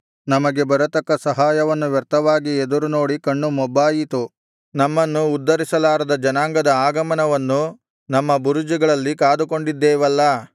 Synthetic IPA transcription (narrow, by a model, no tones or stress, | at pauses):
nɐmɐɡe̞bɐɾɐt̪ɐkːɐsɐɦaːjɐʋɐnːuʋjɐɾt̪ɐʋaːɡied̪uɾuno̞ːɽikɐɳːumɔbːaːjit̪u | nɐmːɐnːuːd̪ːɐɾisɐlaːɾɐd̪ɐd͡ʒɐnaːŋɡɐd̪ɐaːɡɐmɐnɐʋɐnːu | nɐmːɐbuɾud͡ʒiɡɐɭɐlːikaːd̪uko̞ɳɖid̪ːɛːʋɐlːɐ